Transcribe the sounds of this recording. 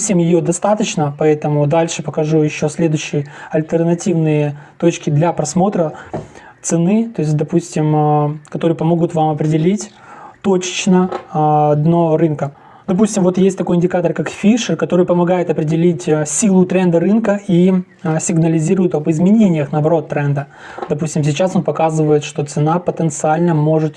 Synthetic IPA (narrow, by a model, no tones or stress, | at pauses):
fsʲemjɪjod̪ɐst̪at̪ət͡ɕnəpɐɛt̪əmʊd̪alʲʂɨpəkɐʐujɪɕːosʲlʲe̞d̪ʊɕːɪjɐlʲt̪ərnɐtʲivnɨjət̪o̞t͡ɕkʲɪd̪lʲɐpɾɐsmo̞t̪ɾə | t̪sɨnɨt̪o̞ɪsʲt̚ʲd̪ɐpusʲtʲɪmkɐt̪o̞ɾɨjəpɐmoɡʊt̪vamɐpɾʲɪdʲɪlʲitʲ | t̪ot͡ɕɪ̥t͡ɕnəɐd̪noɾɨnkə | d̪ɐp̬usʲtʲɪmvo̞t̪jestʲt̪ɐko̞jɪnʲdʲɪkat̪ərkakfʲiʂɨrkɐt̪o̞ɾɨjpəmɐɡajɪt̪ɐpɾʲɪdʲɪlʲitʲəsʲilˠʊt̪ɾɛnd̪əɾɨnkəi | sʲɪɡnəlʲɪzʲiɾʊjɪt̪ɐbɨzmʲɪnʲenʲɪjəxnəɐbɐɾo̞t̪ːɾɛnd̪ə | d̪ɐpusʲtʲɪms̬ʲɪt͡ɕaso̞npɐkazɨvəjɪt̪ʂt̪o̞t̪sɨnapət̪ənt̪sɨalʲnəmo̞ʐɨt̪